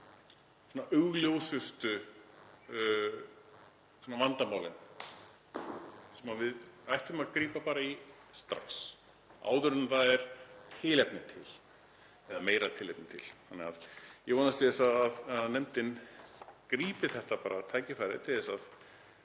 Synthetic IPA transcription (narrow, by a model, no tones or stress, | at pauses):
sɔːnaʔʏɣljowsʏst̪ʏ | sɔːnavant̪amaːwlɪn | sɛmavɪðajht̪ʏmaðkɾiːpapaːɾaist̪ɾa̰ks | a̰ːwðʏɾʏnmθaðɛɾ̥t̪ʰɪlɛpnɪt̪ʰɪl | ɛðameːjɾat̪ʰɪlɛp̚nɪt̪ʰɪl̥hanːɛɣaðjɛvɔːnast̪ʰɪðɛsaðaðaanɛmt̪ɪn | kɾiːpɪθɛht̪apaːɾat̪ʰaːjcɪfajɾɪ̰t̪ʰɪðɛsað